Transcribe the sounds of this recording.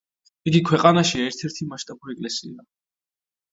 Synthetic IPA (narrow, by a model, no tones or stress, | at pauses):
iɡikʰwɛqʼanaʃiaɛɾt̪ʰɛɾt̪ʰimaʃt̪ʼabuɾiɛkʼlɛsḭa